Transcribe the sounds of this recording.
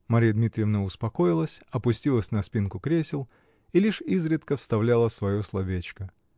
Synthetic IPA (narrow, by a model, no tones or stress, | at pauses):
mɐɾʲijəd̪mʲit̪ɾʲɪjəvnəʊspɐko̞jɪlˠəsʲɐpʊsʲtʲilˠəsʲnɐspʲinkʊkɾʲesʲɪlˠ | ilʲiʂizɾʲɪt̪kəfst̪ɐvlʲalˠəsvɐjoslˠɐvʲet͡ɕkə